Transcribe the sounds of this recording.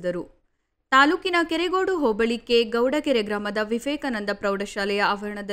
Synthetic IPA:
d̪ɐɾu | t̪aːluːkinɐkɛɾeɡoːɽuɦoːbɐɭikːe̞ɡɐwɖɐkeɾeɡɾaːmɐd̪ɐʋiʋɛːkɐnɐnd̪ɐpɾɐwɖɐʃaːlɛjɐaːʋɐɾɐɳɐd̪ɐ

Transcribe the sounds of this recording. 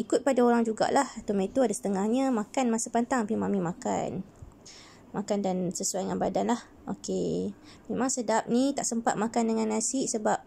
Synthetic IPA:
ikʊt̪̚padaoɾaŋd͡ʒuɡa̰ʔlaht̪umet̪uadasə̥t̪əŋahɲãmakanmasapant̪aŋapimãmĩmaka̰n | makandansəsuajəŋanbadanlah | ʔo̰ke | mẽmaŋsədap̚nĩt̪aʔsəmpat̪̚makandəŋãnːasɪʔsəbap̚

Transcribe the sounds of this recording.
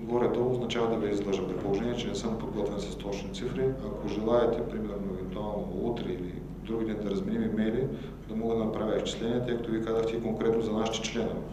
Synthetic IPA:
ɡɔɾɛd̪ɔoznɐt͡ʃavɐd̪ɐviizlˠɤʒəmpɾit̪̚polˠoʒɛniɛt͡ʃɛnɛsɤmpod̪ɡɔt̪vɛnsɐst̪ɔt͡ʃnit̪sifɾiakʰoʒɛlˠaɛt̪ɛpɾimɛɾnoɛvɛnt̪ualˠnout̪ɾɛili | d̪ɾuɡʲid̪ɛnid̪ɐɾɐzmɛnimimɛjli | d̪ɐmɔɡəd̪ɐnɐpɾavʲjəift͡ʃi̥slɛniɛt̪əjkɐt̪ovikazəxt̪ɛikoŋkɾɛt̪nozɐnaʃit̪ɛ̥t͡ʃlɛnovɛ

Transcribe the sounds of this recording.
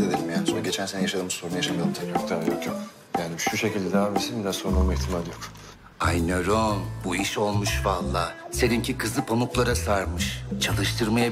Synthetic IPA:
ed̪elʲimjansonɟe̞t͡ʃʰænsenɛjaʃad̪ɯmsoɾunajaʃamad̪ɯmt̪ʰɛcokt̪ʰajot̪ʰo | jaːniʃuʃe̞cʰilʲd̪ɛd̪abesind̪asoɾunˠauiçt̪ʰimad̪ijok | ajnaɾonbuiʃo̞lˠmuʃvalˠːaːse̞d̪imcʰikʰɯzlˠɯpʰo̞nuklˠaɾasaɾmɯʃt͡ʃʰalˠɯʃt̪ʰɯɾmaja

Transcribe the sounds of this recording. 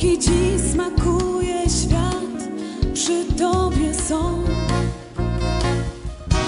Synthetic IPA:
id͡ʑismakujɛɕfʲjat̪pʂɨt̪ɔbʲjɛsɔ̃

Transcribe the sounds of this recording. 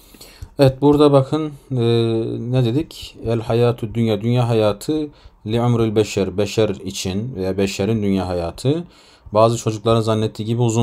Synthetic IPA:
ɛvɛt̪̚buɾd̪abakʰɯnː | nɛd̪ed̪icælʲhajaːt̪ʰyd̪ynjaːd̪ynjaːɦajaːt̪ʰɯliamɾylʲbɛʃaɾbɛʃæɾit͡ʃʰinvejaːbɛʃæɾind̪ynjaːɦajaːt̪ʰɯ | baːzɯt͡ʃʰo̞d͡ʒuklˠaɾɯnzanːɛt̪ʰːiːɟibiuzu

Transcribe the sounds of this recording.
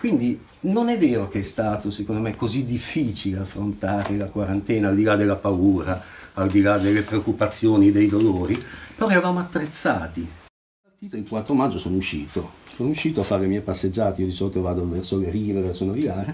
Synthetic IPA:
kwind̪i | nonɛvːɛːɾok̟eɛst̪aːt̪osekond̪omekːozid̪ifːiːt͡ʃileafːɾont̪aːɾelakwaɾant̪ɛːnaːld̪ilad̪elːapauːɾaːld̪ilad̪elːepɾeokːupat̪sːjoːnid̪ejd̪oloːɾipeɾɔɛɾavaːmoat̪ːɾet̪sːaːt̪i | part̪iːt̪oiŋkwat̪ːɾomad͡ʒːosoːnouʃːiːt̪osoːnouʃːiːt̪oafːaɾelemjɛjpasːed͡ʒːaːt̪eiod̪isolt̪ovaːd̪ovɛrsoleɾiːɾevɛrsonaviɡaːɾe

